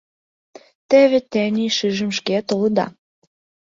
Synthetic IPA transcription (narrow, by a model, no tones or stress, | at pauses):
t̪eβĕt̪ænʲiʃɨʒə̆mʃket̪olɤ̆d̪ɑ̰